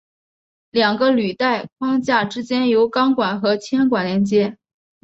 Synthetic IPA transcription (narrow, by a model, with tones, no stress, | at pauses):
ljɑ˨˩ŋɡə˦ly˨˩t̪a˥˩ɪkʰwɑ˥ŋt͡ɕja˥˩ʈ͡ʂɻ̩˥t͡ɕjɛ˥njo˧˥ʊkɑ˥ŋkwa˨˩nxɤ˧˥t͡ɕʰjɛ˥nkwa˨˩nljɛ˧˥nt͡ɕjɛ˥